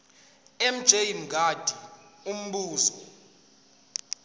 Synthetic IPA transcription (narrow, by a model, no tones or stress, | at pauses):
ɛm̩d̥ʒ̥ʱejim̩ɡʱad̥ʱium̩ɓuːzɔ